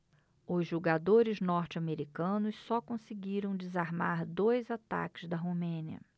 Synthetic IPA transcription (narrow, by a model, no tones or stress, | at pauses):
ʊzʒuɡad̪oɾɪznɔɾt͡ʃɪameɾikɐ̃nʊssɔkõsɪɡiɾɐ̃w̃d͡ʒɪzaɾmaɾd̪ojzat̪a̰kɪzd̪ɐɦomẽniɐ̰